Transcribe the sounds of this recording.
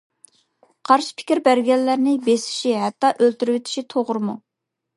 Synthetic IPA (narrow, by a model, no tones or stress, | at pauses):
qʰɑɾʃi̥pʰɪ̥kʲiɾbæɾɡʲɛlːæɾnɪbesɪ̥ʃiɦɛt̪ːɑʔølt̪yɾywɪt̪ʰi̥ʃit̪ʰoʁʊɾɨmu